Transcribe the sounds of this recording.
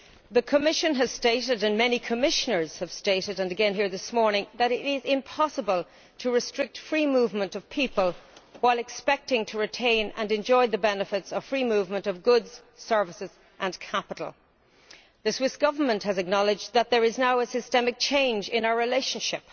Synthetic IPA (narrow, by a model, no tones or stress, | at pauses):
ðəkʰəmɪʃə̃nəz̥steɪɾɪɾɨ̃nmɛnikʰəmɪʃənə˞z̥həv̥steɪɾɨɾə̃nɨɡɛ̃nɦiɹðɪsmɔɹnɪ̃ŋðəɾɪɾɪzɪ̃mpʰɑsəbəlˠ | tʰəɹɨstɹ̥ɪk̚tfɹiːmuvmə̃ntʌv̥pʰipəlˠwaɪlˠɨkspɛk̚tɪ̃ŋtʰəɹɨtʰẽɪ̃nə̰̃nɛ̃nd͡ʒɔɪðəbɛnəfɪtsʌv̥fɹimuvmə̃ntʌvɡʊdz̥ | sɜ˞vəsɨz̥ | ʔə̃nkʰapəɾl̩ˠ | ðɨswɪsɡ̥ʌvə˞mə̃ntʔhəzɨk̚nɑlˠɪd͡ʒðət̪̚ðə˞ɪznaʊəsɨstɛmɨk̚t͡ʃʰẽɪ̃nd͡ʒɪ̃naʊə˞ɹɪleɪʃə̃nʃɪ̰p̚